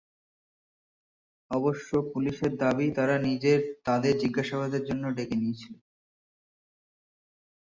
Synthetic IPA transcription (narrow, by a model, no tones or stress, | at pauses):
ɔboʃːopuliʃeɾd̪abit̪aɾanid͡ʑeɾt̪ad̪eɾd͡ʑiɡːaʃaβad̪eɾd͡ʑonːoɖekenijet͡ɕʰilen